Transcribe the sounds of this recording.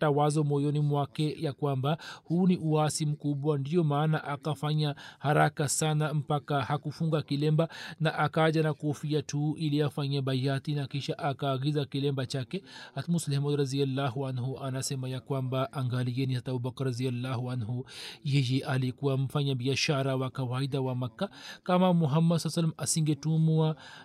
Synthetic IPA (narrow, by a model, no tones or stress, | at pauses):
tawazɔmɔjɔnimwakɛjakwambahuniʔuasim̩kuɓwandijɔmaːnaʔakafaɲahaɾakasanam̩pakahakufuŋɡakilɛmbanaʔakaʄanakuɔfiatʰuiliafaɲaɓajatinakiʃaʔakaːɡizakilɛmbat͡ʃakɛhat̪muslɛhmɔd̪ɾazialːaɦuanɦuʔanasɛmajakwambaʔaŋɡaliɛnisat̪abubakɾɾazijalːahuanɦujɛjɛʔalikuwam̩faɲabiaʃaɾawakawaidawamakːakamamuɦamːad̪salːsalːamasiŋɡɛtumua